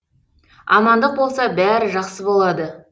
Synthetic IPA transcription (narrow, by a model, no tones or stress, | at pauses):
ɑ̰mɑnd̪əq̚bo̞lˠsɑbæɾɪʒɑqsəbo̞lˠɑd̪ə